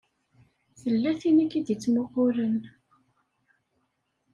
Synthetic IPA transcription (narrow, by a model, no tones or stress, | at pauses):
θəlːæθinikːid̪jit͡sːmʊʁʊɾən